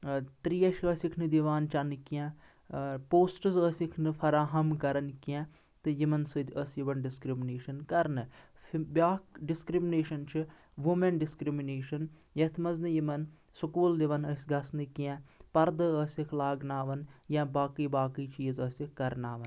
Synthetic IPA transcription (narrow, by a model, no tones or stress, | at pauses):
t̪ɾiːɐʃəsikʰnɨd̪iʋaːnt͡ʃɐnkijɛ̃ | poːsʈɨzəsikʰnɨpʰɐɾaːɦɐmkɐɾɐnkijɛ̃ː | t̪ɨjimɐnsɨd̪əsjiʋɐnɖɪskɾimneːʃɐnkɐɾnɨ | bʲjaːkɖɪskɾimɪneːʃɐnt͡ʃʰɨ | ʋumenɖɪskɾimineːʃɐn | jɐt̪ʰmɐznɨjimɐn | sukuːld̪iʋɐnəsʲɡɐsnɨkiãːpɐɾd̪ɨəsikʰlaːɡnaːʋɐnjãːbaːkiːbaːkiːt͡ʃiːzəsikːɐɾnaːʋɐn